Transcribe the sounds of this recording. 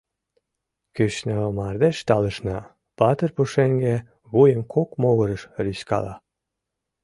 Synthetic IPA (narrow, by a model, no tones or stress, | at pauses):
kyʃnəmɑrd̪eʃt̪ɑləʃnɑ | pɑt̪ərpuʃeŋɡe | βujəmkʰokmoɣəɾəʃryɕkɑ̰lɑ̰